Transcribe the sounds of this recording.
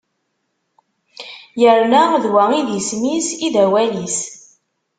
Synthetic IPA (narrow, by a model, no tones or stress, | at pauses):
jəɾnæðwæiðjəsmisiðæwælis